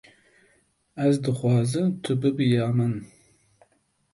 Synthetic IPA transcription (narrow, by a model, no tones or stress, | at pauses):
æzd̪ɨχwɑːzɨt̪ʰʊbɨbɨjɑːman